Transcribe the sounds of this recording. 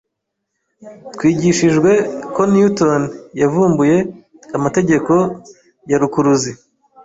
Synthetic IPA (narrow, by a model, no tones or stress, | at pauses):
twiːɟiʃiʒɡwe̞ko̞njutonjavuːmbuje̞ | kamate̞ɟe̞ko̞ | jaɾukuɾuzi